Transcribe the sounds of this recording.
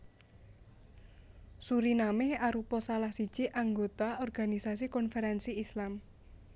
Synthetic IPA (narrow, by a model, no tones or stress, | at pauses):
suɾinamɪhaɾupɔsalahsid̥ʒ̥iʔaŋɡot̪aɔrɡ̥a̤nisas̬ikɔnfɛɾɛnsiːslam